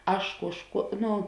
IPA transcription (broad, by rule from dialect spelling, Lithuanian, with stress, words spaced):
ˈɐʃ ˈkuɔʃˌkuɔ ˈnʊ